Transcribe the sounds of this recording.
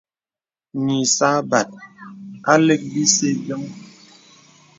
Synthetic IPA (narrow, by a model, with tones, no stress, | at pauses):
ni˨sa˦ba˨t̚ | a˦le˦k̚bi˦se˦d͡ʒɔ˦ŋ